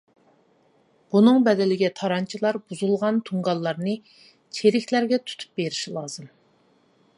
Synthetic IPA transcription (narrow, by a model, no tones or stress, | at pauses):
b̥unɨŋbɛd̪ɪlɪɡʲɛt̪ʰɑɾɑnt͡ʃʰilˠɑɾbuzulˠʁɑnt̪ʰuŋɡɑlˠːɑɾnɨ | t͡ʃʰeɾɪkʲʰlæɾɡʲɛt̪ʰu̥t̪ʰu̥p̚beɾɪʃilˠɑːz̥ɨm